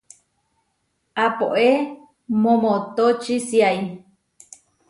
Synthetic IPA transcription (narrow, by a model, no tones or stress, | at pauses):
apoʔe | mõmot̪ot͡ʃisiaj